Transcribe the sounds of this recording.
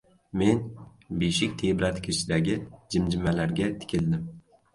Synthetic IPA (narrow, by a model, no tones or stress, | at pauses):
me̞n | beʃɪkʲt̪ʰebɾat̪ʰkʲʰɪʃɪd̪aɡʲɪd͡ʒɪmd͡ʒɪmalaɾɡʲat̪ʰɪ̥kʲʰɪld̪ɪm